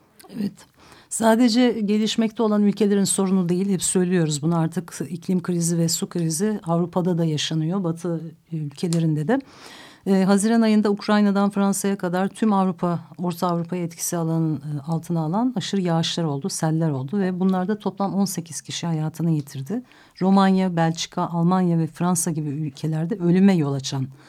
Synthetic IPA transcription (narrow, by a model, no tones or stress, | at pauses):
evɛt̪ | saːd̪e̞d͡ʒɛɟe̞lʲiʃmɛc̚t̪ʰɛo̞lˠanylʲcʰe̞lʲe̞ɾinso̞ɾunud̪ejilʲhɛpsø̞jlʲijo̞ɾuzbunuaɾt̪ʰɯkicʰlʲimkʰɾizivɛsukʰɾiziavɾupʰad̪ad̪ajaʃanɯjo̞bat̪ʰɯ | ylʲcʰe̞lʲe̞ɾind̪ɛd̪ɛː | ɦaziɾanajɯnd̪aukʰɾajnad̪anfɾansajakʰad̪aɾt̪ʰymavɾupʰao̞ɾt̪ʰaːvɾupʰajaɛt̪cʰi̥sialˠanɯalˠt̪ʰɯnaːlˠanaʃɯɾjaːʃlˠaɾo̞lˠd̪usælʲːæɾo̞lˠd̪uvɛbunlˠaɾd̪at̪ʰo̞plˠamo̞nse̞cʰiz̥cʰiʃihajaːt̪ʰɯnaje̞t̪ʰiɾd̪ɪ | ɾo̞manjabælʲt͡ʃkʰaʔalˠmanjavɛfɾansaɟibiylʲcʰe̞lʲæɾd̪ɛø̞lʲymɛjo̞lˠat͡ʃʰan